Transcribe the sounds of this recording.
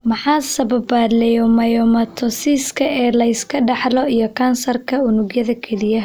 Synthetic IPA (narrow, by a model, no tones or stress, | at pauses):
mɐħaːsɐβɐbad̪lɛjɔmɐjɔmɐt̪ʰɔsiːskʰɐɛːlɐɪskʰɐɖɑħlɔijɔkʰɐnsɐrkʰɐʊnʊɡjɐðɐkʰɛlɪjɐ